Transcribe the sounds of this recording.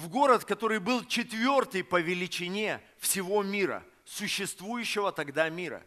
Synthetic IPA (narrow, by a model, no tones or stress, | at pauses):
vɡo̞ɾət̪kɐt̪o̞ɾɨjbɨlˠt͡ɕɪt̪vʲo̞rt̪ɨjpəvʲɪlʲɪt͡ɕɪnʲe̞ | fsʲɪvo̞mʲiɾə̰ | sʊɕːɪst̪vujʉɕːɪvət̪ɐɡd̪amʲiɾə̰